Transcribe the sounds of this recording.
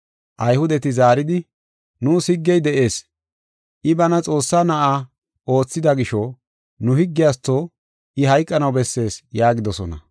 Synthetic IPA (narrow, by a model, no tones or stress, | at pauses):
ʔɐjhʊd̪ɛt̪ɪzaːɾɪd̪ɪ | nuːsɪɡːɛjd̪ɛʔe̞ːs | ʔɪbɐnɐt͡sʼo̞ːsːaːnɐʔaː | o̞ːt͡sːɪd̪ɐɡɪʃɔ | nʊhɪɡːɪjaːs̬t̪ːoː | ɪɦɐjkʼːɐnɐwbɛsːe̞ːsjaːɡɪd̪ɔsɔnɐ̰